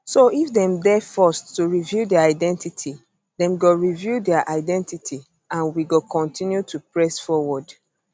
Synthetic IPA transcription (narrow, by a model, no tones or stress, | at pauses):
soifdɛ̃mdɛfɔstːuɹivjudɛaaɪdɛ̃ntitʰi | dɛ̃mɡoɹivjudɛaʔaɪdɛ̃ntitʰi | ãnwiɡokɔ̃ntʰĩnjutʰupɹɛsfɔwɔd